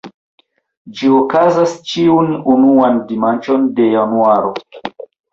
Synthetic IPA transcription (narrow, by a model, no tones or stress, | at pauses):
d͡ʒiokazast͡ʃiununuandimant͡ʃo̞nde̞januaɾo̞